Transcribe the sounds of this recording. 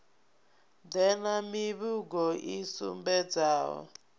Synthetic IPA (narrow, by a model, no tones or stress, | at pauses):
d̪ɛnamiβuɡɔʔisṵmbɛd͡zaːwɔ̰